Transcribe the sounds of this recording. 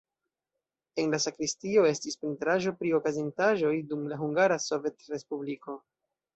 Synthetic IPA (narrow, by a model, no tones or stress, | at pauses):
e̞nlasakɾistio̞e̞stispɾintɾaʒo̞pɾio̞kazintaʒo̞jdumlaɦuŋɡaɾaso̞ve̞tɾe̞spubliko̞